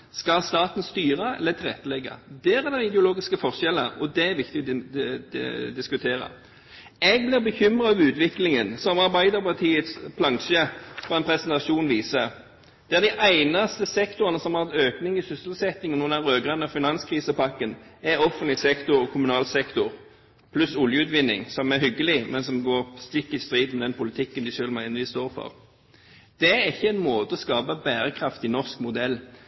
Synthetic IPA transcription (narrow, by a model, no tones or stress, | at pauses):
skɑlst̪ɑːt̪n̩st̪yːʁəɛ̰lːət̪ʰɪlʁɛ̰t̪ːəlɛɡːɑ̰d̪ɛæɾɛd̪ɛɪd̪ɛʊloːɡɪskəfɔʁʂɛlːə̰ɾɔd̪ɛæɾʋɪkt̪ɪ | d̪ɪskʉt̪ʰeːɾɑ̰ | ɛɡ̚blɪʁbəçʏmʁɑɑʋʉːt̪ʋɪklɪŋənsɔmɑʁbæɪd̪əpɑʁt̪ʰiːət̪spʰlɑŋʃəfɔɛnpʰɾɛsənt̪ɑʂuːnʋiːsə | d̪̥ɛːʁd̪ɪʔæɪnɑst̪əsɛkt̪ʊʁənəsɔmhɑːɛt̪øːknɪŋɪsʏsl̩sɛt̪ːɪŋnuːənɑʁøːɡʁɛnəfɪnɑnskʰʁiːsəpɑkːənæʁɔfənlɪsɛkt̪ʊɾɔkʰʊmʉnɑːlsɛkt̪ʊʁ | pʰlʉsʊljəʉːt̪ʋɪnːɪ̰ŋsɔmæʁɦʏɡːəlɪmɛnsɔmɡoːst̪ɪkːɪst̪ɾiːd̪mɛd̪ɛnpʊlɪt̪ʰɪkːənd̪ɪʃøːlmæɛnʋɪst̪oːʁfɔ̰ʁ | d̪̥ɛæɾɪçːəæɪnmoːt̪əɔskɑːbəbæːɾəkʰʁɑft̪ɪnɔʁskmʊd̪ɛlː